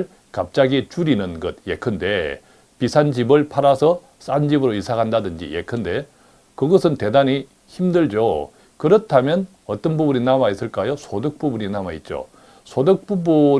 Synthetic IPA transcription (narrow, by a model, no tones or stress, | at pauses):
ɭ | kap̚t͡ɕ͈aɡit͡ɕuɾinɯnɡʌd̚jḛkʰɯnde̞ | pisʰand͡ʑibɯɭpʰaɾasʰʌ | s͈and͡ʑibɯɾoisʰaŋandadɯnd͡ʑḭjḛkʰɯnde̞ | kɯɡʌsʰɯnte̞daɲi | çimdɯɭd͡ʑo | kɯɾʌtʰamjʌn | ʌt͈ʌnbubuɲinamais͈ɯɭk͈ajosʰodɯk̚p͈ubuɲinamait̚t͡ɕ͈o̰ | sʰodɯk̚p͈ubu